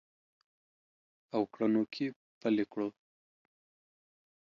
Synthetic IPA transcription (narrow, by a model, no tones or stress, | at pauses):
awkɽanokʰi | pəlekɽo